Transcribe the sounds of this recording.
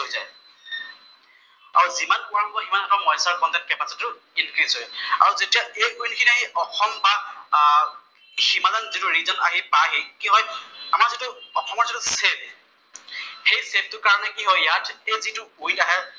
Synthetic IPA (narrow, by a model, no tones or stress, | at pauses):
ojzaj | a̰ɹuzimanpʊɹabɔbɔximanɛtɔmɔjsaɹkɔndɛt̚kɛpasɔtːʊ | inkɹiz̥ɦɔjɛa̰ɹuzetijaʔejʔujnkʰiniaɦiʔɔxʰɔmba | ximadanzitʊɹizɔna̰ɦipaɦikiɦɔjamaɹzitʊɔxʰɔmɔɹzitʊseb | hejseb̚tʊkaɹɔnɛkiɦɔjjatʰejzitʊojnaɦɛ